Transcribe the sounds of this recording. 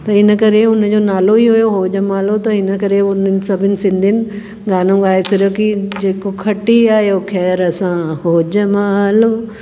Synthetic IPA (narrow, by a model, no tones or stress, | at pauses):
t̪ɐɪnəkɐɾeʊnd͡ʑoːnaːloiɦʊjoɦoːd͡ʑəmaːlot̪ɐɪnəkɐɾeʊnsɐbʱɪnɪ̆sɪ̃nd̪ʱɪnɪ̆ | ɡaːnõɡaːesɪɾəkid͡ʑeːkokʰɐʈiaːɦijoxʰɛːɾɐsãɦoːd͡ʑəmãlo